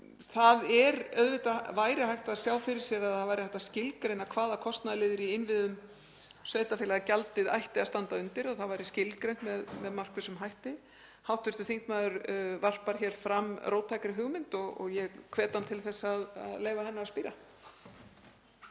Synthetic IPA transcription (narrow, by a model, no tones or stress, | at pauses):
θaðɛɾœðvɪt̪avaːjɾɪɦajht̪aðsjaːwfɪɾɪɾ̥sjɛɾaðθavajɾɪθɛ̥t̪ːascɪlkɾejnakʰvaːðakʰɔst̪naðlɪːðɪɾiɪnvɪðʏm | sveːjt̪afɪːlaɣacalt̪ɪða̰jht̪ɪaðst̪ant̪aʏnt̪ɪɾaθaðvajɾɪscɪlkɾejnt̪mɛðmɛðmar̥kvɪsʏmɦajht̪ɪ | hawht̪ʏɾst̪ʏ̥θiŋt̪maːðʏɾvar̥paɾ̥çɛːɾ̥fɾamːrowt̪ʰːajkaɾɪɦʏɣmɪnt̪ɔɣɔ̰ɣjɛɣkʰvɛːt̪ant̪ʰɪlθɛsːaːða̰ðleːjvahɛnːaaspiːɾa